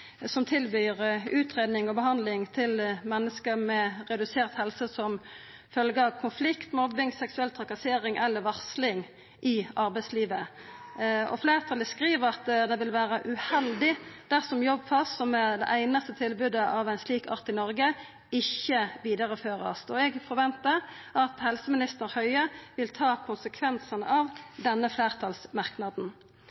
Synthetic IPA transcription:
sɔmt̪ʰɪlbyːʁʉːt̪ʁeːd̪nɪŋɔbəhɑnd̪lɪŋt̪ʰɪlmɛnːəskəmɛʁɛd̪ʉseːʁt̪hɛlsəsɔm | fœlɡəɑʋkʰʊnflɪkt̪mɔʋbɪŋsɛksʉɛlt̪ʰʁɑkɑseːɾɪŋʔɛlːəɾʋɑʁslɪŋ | ʔɪɑɾbæɪsliːʋə | ɔ̰fleːʁət̪ʰɑləskʁiːʋəʁɑt̪d̪ɛʋɪlʋæːʁəʔʉhɛld̪ɪd̪̥æʁsɔmjɔbːfɑssɔmɛd̪ɛ̰ʔæɪnɑst̪ət̪ʰɪlbʉd̪əʔɑʋæɪnsliːkɑ̰ʁt̪ɪnɔɾɡə | ɪçːəʋiːd̪ɑʁəføːʁəɑ̰st̪ɔɛɡfɔɾʋɛnt̪əʁɑt̪hɛlsəmɪnɪst̪əɾhœʏəʋɪlt̪ʰɑːkʰʊnsəkʰʋɛnsənə̰ʔɑʋd̪ɛnːəfleːʁt̪ʰɑlsmɑʁknɑd̪n̩

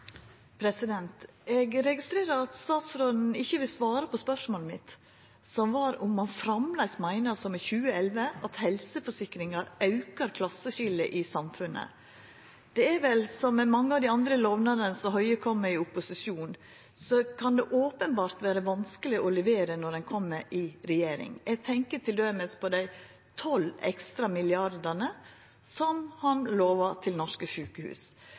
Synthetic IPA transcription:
pʰɾɛsɪd̪ɛnt̪ɛɡɾɛɡɪst̪ɾeːɾəɾɑt̪st̪ɑːt̪sɾoːd̪n̩ɪçːəʋɪlsʋɑːɾəpɔspœʂmoːlmɪt̪ | sɔmʋɑɾʊmːɑnfɾɑmlæɪsmæɪnəsɔmɛçʉːəɛlʋəɑt̪hɛlsəfɔʂɪkɾɪŋɑɾɑʉkəɾkʰlɑsːəɕɪlːə̰ʔɪsɑmfʉnʔə̰ | d̪̥ɛɛɾʋɛlsɔmːɛmɑŋːəɑʋd̪ɪɑnd̪ɾəloːʋnɑɾənəsɔɦœʏəkʰɔmːəɾɪʊpːʊsɪʂjuːn | sɔkʰɑnd̪ɛʔoːpənbɑːɾt̪ʋæːɾəʋɑnskəlɪʔɔlɛʋeːɾənɔɖ̪ɛnkʰɔmːəɾʔɪɾɛjeːɾɪ̰ŋɛɡ̚t̪ʰɛŋkət̪ʰɪld̪œməspʰɔd̪æɪ | t̪ʰɔlɛ̰kst̪ɾɑmɪlɪɑɾd̪ənə | sɔmhɑnloːʋɑʈʰɪlnɔʂkəʂʉːkəhʉ̰ːs

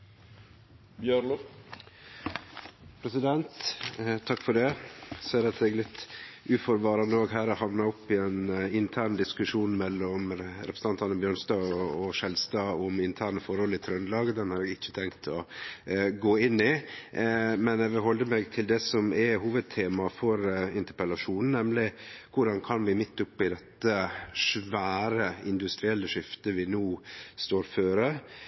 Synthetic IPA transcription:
bjø | pʰɾɛsɪd̪ɛnt̪t̪ʰːɑkːfɔɖɛseːɾɑt̪ɛɡlɪt̪ːʔʉːfɔɾʋɑːɾɑnəoːɡɦæːɾɔhɑʋnɑɾɔpːɪɛnɪnt̪ʰæːɳd̪ɪskʉʂuːnmɛlːɔmɾɛpʰɾəsn̩ɑnt̪ʰɑnəbjøːɳnst̪ɑːɔɔʂɛlst̪ɑːʊmɪnt̪ʰæːɾɳəfɔɾhɔlɪt̪ʰɾœnlɑːɡəd̪ɛnhɑːɾɛɡɪt͡ʃːə̥t̪ʰɛŋkt̪ʰɔ | ɡoːɪnːɪ | mɛnɛʋɪlɦɔld̪əmɛɡt̪ʰɪld̪ɛsɔmɛɦuːʋəd̪̚t̪ʰeːmɑfɔɾɪnt̪əpəlɑʂuːnn̩nɛmlɪkʊɖɑnkʰɑnʋɪmɪt̪ːʊpːɪd̪ɛt̪ːəʂʋæːɾəɪnd̪ʉst̪ɾɪɛlːəʂɪft̪əʋɪnoːst̪oːɾføːɾə

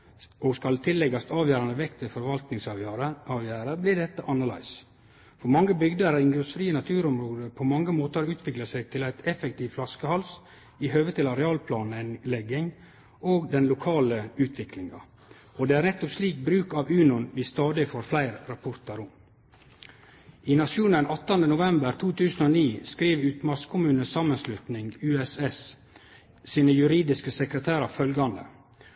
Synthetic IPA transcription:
ɔːɡskɑlt̪ʰɪlːɛɡɑst̪ɑːʋjæːɾɑnd̪əʋɛkt̪ʰʋɪfɔɾʋɑlt̪nɪŋsɑɑːʋjæːɾəblɪɖɛt̪ːəʔɑnɑlæ̰ɪs | fɔɾmɑŋːəbʏɡd̪əɾəɪŋɡɾʉsfɾiːənɑt̪ʰʉːɾɔmɾoːd̪əpʰɔmɑŋːəmoːt̪əɑɾʉːt̪ʰʋɪklɑsæɪɡ̚t̪ʰɪlæɪt̪ʰɛfɛkt̪ʰiːʋflɑskəhɑls | ɪɦøːʋət̪ʰɪlɑɾɛɑːlpʰlɑːnɪnlɛɡːɪŋ | oːɡd̪ɛnlʊkʰɑːləʉːt̪ʰʋɪkʰlɪŋɑ̰ | ɔd̪eːæːɾnɛt̪ːɔpsliːk̚bɾʉːkɑːʋʉːnʊnʋɪst̪ɑːd̪ɪfoːɾflæɪɾɾɑpʰʊɾt̪ɑɾʊm | iːnɑʃuːnənɑt̪ːənd̪ənʊʋɛmbəɾt̪ʰuːt̪ʰʉːsən̩oːniːskɾiːʋʉːt̪mɑskʰʊmʉːnəsɑmːənslʉt̪nɪŋɡʉːɛsɛs | siːnəjʉɾiːd̪ɪskəsəkɾət̪ʰæːɾɑfœlɡɑnd̪ə̰

